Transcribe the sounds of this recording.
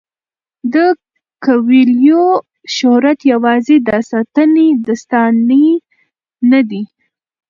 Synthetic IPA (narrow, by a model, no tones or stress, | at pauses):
d̪ə | kawiljo | ʃʊhɾat̪jawɑzed̪ɑsɑt̪əned̪əst̪ɑne | nad̪i